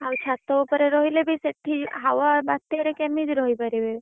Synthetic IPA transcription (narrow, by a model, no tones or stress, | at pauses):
awt͡ʃʰat̪oupɔɾeɾɔɦilebʱiseʈʰːiɦawabat̪ːeɾekemid͡ʒɾɔɦipaɾibe